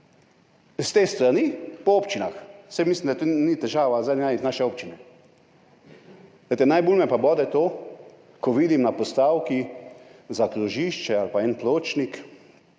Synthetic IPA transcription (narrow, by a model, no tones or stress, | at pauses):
st̪eːst̪ɾanipɔoːpt͡ʃinaxsamislimd̪at̪onit̪ɛʒaːʋazaajnaːʃɛoːpt͡ʃinɛ | et̪ɛnajbulmɛpabɔːd̪ɛt̪oː | kɔʋiːd̪imnapɔst̪awki | zaklɔʒiːʃt͡ʃɛalpaɛnploːt͡ʃnik